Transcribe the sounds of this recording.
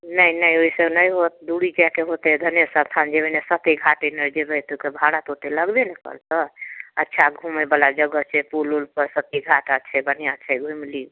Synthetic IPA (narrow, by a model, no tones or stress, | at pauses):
nəinəioisəbnəjɦot̪̚d̪uɽid͡ʒakeɦot̪ed̪ʱənjesəbt̪ʰand͡ʒebənesət̪iɡʱaʈenəɾd͡ʒebəjt̪okebʱaɽat̪ot̪eləɡb̪enekə̰ɾt̪əə̰tːʃʰaɡʱumebəlad͡ʒəɡət͡ʃʰɛpululpəɾsət̪iɡʱaʈat͡ʃʰɛbənijat͡ʃʰɛɡʱuimili